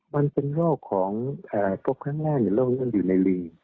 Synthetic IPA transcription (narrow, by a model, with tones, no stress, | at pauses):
ma˧npe˧nɾoː˥˩p̚kʰɔː˩˦ŋʔaː˧˩ko˦˥p̚kʰaː˥˩ŋnaː˥˩ŋ̚ni˧˩loː˥˩ŋɯ˧˥˨njuː˨˩na˧jliː˧ŋ